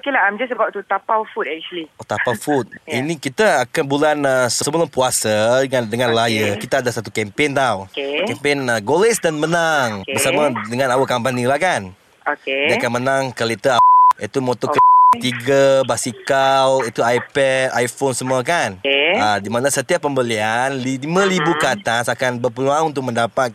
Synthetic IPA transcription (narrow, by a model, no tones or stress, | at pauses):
okelaamd͡ʒasəbaʔt̪ut̪apawfut̪ɛk̚t͡ʃuəliot̪apawfut̪̚inikit̪aakanbulanasəsəmbəlapuasaandəŋanlajəkit̪aadasat̪ukɛmpent̪awkɛmpenəɡolesdanmənaŋbəsamadəŋãnawəkambanilahkan | oediakanmənaŋkəlit̪əait̪umot̪okt̪iɡabasikawit̪uajpɛdajfonsəmuak̬anadimanasət̪iapːəmbəlianliimãlibukat̪asakanbərpəluaŋunt̪ʊk̚məndapat̪̚